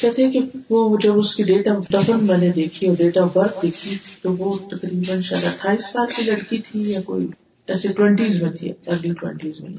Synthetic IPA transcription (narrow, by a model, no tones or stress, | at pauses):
kɛːt̪ʰẽkeʋod͡ʒɐbʊskiɖeːʈad̪ɐfənmɛ̃ːned̪eːkʰiɔːɾɖeːʈabɐɾt̪d̪eːkʰit̪oʋot̪ɐkɾiːbənʃaːd̪aʈʰːaːiːsːaːlkilɐɽkit̪ʰijako̰ːi | ɛːseʈwɛ̃ɳʈiːzmẽt̪ʰḭəːɾliʈwɛ̰̃ɳʈiːzmḛ̃